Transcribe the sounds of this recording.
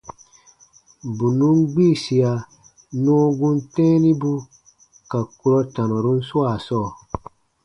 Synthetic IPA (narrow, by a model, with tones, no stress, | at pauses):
bu˨nũ˦nɡ͡biː˦˨si˨a˨ | nɔ̃ː˦ɡũ˦ntɛ̃ː˦ni˦bu˦ | ka˨ku˦ɾɔ˦tã˨nɔ˨ɾu˦n̩˦su˦a˨sɔː˦˨